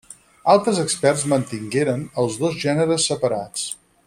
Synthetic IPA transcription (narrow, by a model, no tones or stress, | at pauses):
alˠt̪ɾəzəkspɛrzmənt̪iŋɡeɾənəlˠzðozʒɛnəɾəsːəpəɾat͡s